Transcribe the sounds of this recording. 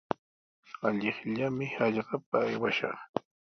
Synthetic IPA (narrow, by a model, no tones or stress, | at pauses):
aʎɪχʎamɪhɑʎɢɑp̚aːjwaʃɑ̰χ